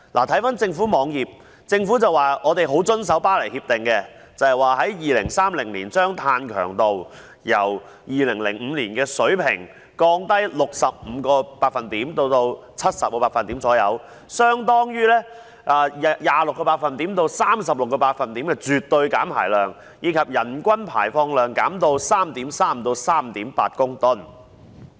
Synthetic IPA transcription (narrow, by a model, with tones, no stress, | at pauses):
laː˨˩t̪ʰɐ˨˥jfaː˨˥nt͡sɪ˧ŋfuː˨˥mɔː˨˧ŋjiː˨p̚ | t͡sɪ˧ŋfuː˨˥t͡sɐ˨waː˨ɔː˨˧t̪e˨jɦo˨˥wt͡sɵ˥ns̬ɐ˨˥wpaː˥lɐ˨˩jhiː˧p̚t̪ɪ˨˩ŋkɛ˧ | t͡sɐ˨hɐ˨jwaː˨ɦɐ˨˥jjiː˨lɪ̰˨˩ŋsaː˥mlɪ˨˩ŋliː˨˩nt͡ʃœː˥ŋt̪ʰaː˧nkʰœ̰ː˨˩ŋt̪o˨w | jɐ˨˩w | jiː˨lɪ˨˩ŋlɪ̰˨˩ŋm̩ː˨˧liː˨˩nkɛː˧sɵ˨˥ɥpʰɪ̰˨˩ŋ | kɔː˧ŋt̪ɐ˥jlʊ˨k̚sɐ˨p̚m̩ː˨˧˦kɔː˧paː˧k̚fɐ˨nt̪iː˨˥mt̪o˧wt̪o˧w | t͡sʰɐ˥t̚sɐ˨p̚kɔː˧paː˧˥fɐ˨nt̪iː˨˥mt͡sɔː˨˥jɐ̰˨˧w | sœː˥ŋt̪ɔː˥ŋjyː˥lɛː˥ | ʔaː˧˨jaː˨lʊ˨kːɔː˧paː˧t̚fɐ˨˩nt̪iː˨˥mt̪o˧wsaː˥msɐ˨p̚lʊ˨kːɔː˧paː˧t̚fɐ˨˩nt̪iː˨˥mkɛː˧t͡ʃyː˨t̪ːɵ˧ɥkaː˨˥mpʰaː˨˩jlœː˨ŋ | jiː˨˧kʰɐ˨p̚jɐ˨˩nkʷɐ˥npʰa̰ː˨˩jfɔː˧ŋlœː˨˩ŋkaː˨˥mt̪o˧wsaː˥mt̪iː˨˥msaː˥m̩˨t̪o˧wsaː˥m̩t̪iː˨˥mpaː˧t̚kʊ˥ŋt̪ʊ˥˩n